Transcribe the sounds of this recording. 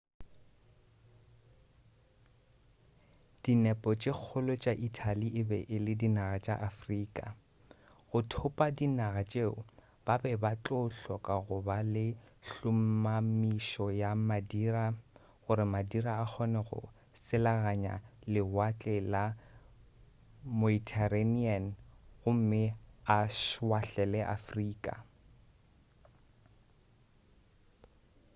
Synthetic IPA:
d̥inɛpʼɔt͡ʃʼɪk͡xʰʊlʊt͡ʃʼaʔitʰaliʔɪbɛʔɪlɪdinaɣat͡ʃʼa̰ʔafriːkʼa̰ | ɣʊtʰʊpʼadinaɣat͡ʃʼeʊ | b̥abɛbat͡ɬʼoʊɬɔkʼaɣʊbalɪɬʊm̩mamiʃɔjamadiːra | ɣʊɾɪmadiɾaːk͡xʰɔnɛɣʊ̰ | sɪlaɣaɲa̰lɪwat͡ɬʼɛla | moitʰarenianɣʊm̩mɪaʃwaɬɛlɛʔa̰friːkʼa̰

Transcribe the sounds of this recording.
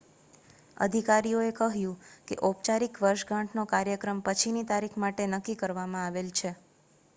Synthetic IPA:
ə̰d̪ʱikaɾijoekəɦjũkḛʔopt͡ʃaɾikʋəɾʃɡãʈʰnokaɾjəkɾəmpət͡ʃʰinit̪aɾikʰmaʈenəkːikəɾʋamãaʋelt͡ʃʰe

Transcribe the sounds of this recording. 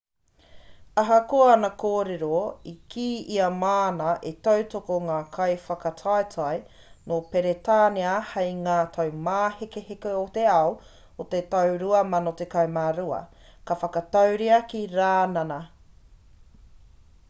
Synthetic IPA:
ɐɦɐkoɐɐnɐkoːɾeɾoikʰiːiɐmaːnɐʔetɐwtokoŋaːkʰɐjfɐkɐtʰajtʰaj | nopeɾetaːneɐhejŋaːt̪ʰɐwmaːhekehekeot̪eɐo | ot̪etɐwɾuɐmɐnot̪ekɐjmaːɾuɐ̰ | kɐfɐkɐtɐwɾiɐkiɾaːnɐnɐ

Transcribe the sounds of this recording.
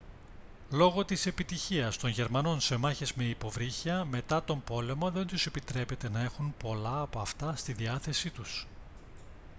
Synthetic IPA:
lo̞ɣo̞t̪ise̞pit̪içiɐst̪o̞nʝe̞ɾmɐno̞nse̞mɐçe̞zme̞ipo̞vɾiçɐme̞t̪ɐt̪o̞mbo̞le̞moðe̞nt̪use̞pit̪ɾe̞pe̞t̪e̞nɐe̞xunpo̞lɐːpoɐft̪ɐst̪iðiɐθe̞sit̪us

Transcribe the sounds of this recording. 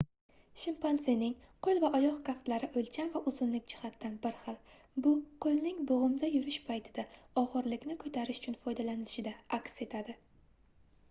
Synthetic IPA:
ʃɪmpanzenɪŋ | qʰolˠvaʔɒjɒqkʰaft̪laɾɪʔolt͡ʃʰanvaʔʊzʊnlɪk̚ʲd͡ʒɪhat̪ːanbɪɾχɨlˠ | bʊqʰolnɪŋbʊʁʊmd̪ajʊɾɪʃpʰajt̪ʰɪd̪aɒʁɨɾlɪkʲnɪkʰɵt̪ʰaɾɪʃʊ̥t͡ʃʰʊnfɒjd̪alanɪlɪʃɪd̪aakʲse̞t̪ʰad̪ɪ

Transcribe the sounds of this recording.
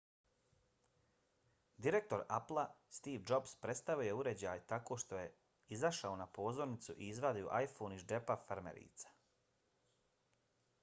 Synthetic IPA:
d̪iɾe̞k̚t̪o̞ɾaplˠast̪iːʋd͡ʒo̞bspɾe̞t̪st̪aʋuje̞uɾe̞d͡ʑaːjt̪ako̞ːʃt̪o̞je̞ | izaʃao̞napo̞ːzo̞ɾnit̪suʔiizʋad̪iuʔajfoːniʒd͡ʒe̞pafaɾmḛɾḭːt̪sḁ

